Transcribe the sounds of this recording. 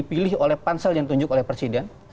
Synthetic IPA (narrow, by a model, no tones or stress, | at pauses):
ipilɪɦolɛhpansɛljaŋt̪uɲd͡ʒʊkolɛhpɾesidɛn